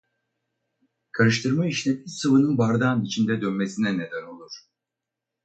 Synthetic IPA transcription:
kʰaɾɯʃt̪ʰɯɾmaiʃinʲɛbiɾsɯvɯnɯnbaɾd̪anit͡ʃʰind̪ɛd̪ønmesinɛne̞d̪æno̞lˠuɾ̥

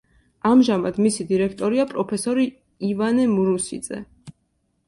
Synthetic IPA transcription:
amʒamad̪misid̪iɾɛkʰt̪ʼɔɾiapʼɾɔpʰɛsɔɾi | ivanɛmuɾusḭd̪zɛ̰

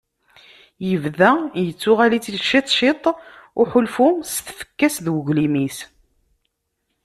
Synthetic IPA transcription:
jəvðæjət͡sːʊʁælit͡sːiʃit̪ˤʃɪt̪ˤʊħʊlfʊsθθə̥kːæsðwəʝlimis

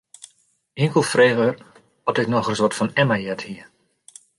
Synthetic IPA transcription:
iəŋkəlˠfreːɣør | ɔtɪknɔxrəsʋɔtfɔnɛmajɛthiə

